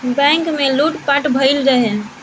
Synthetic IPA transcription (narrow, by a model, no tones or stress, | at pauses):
bɛ̃ŋkmeluʈpaʈbʱəɪld͡ʒaɦe